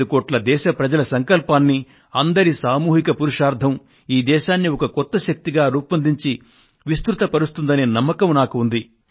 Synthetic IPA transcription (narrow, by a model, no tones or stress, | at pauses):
ukoːʈlɐd̪ɛːʃɐpɾɐd͡ʒɐlɐsɐŋkɐlpaːnːi | ɐnd̪ɐɾisaːmuːɦikɐpuɾuʂaːɾd̪ʱɐm | iːd̪ɛːʃaːnːiɔkɐkɔt̪ːɐʃɐk̚t̪iɡaːɾuːpɐnd̪iɲt͡ʃi | ʋist̪ɾut̪ɐpɐɾust̪und̪ɐnenɐmːɐkɐmnaːkuːnd̪i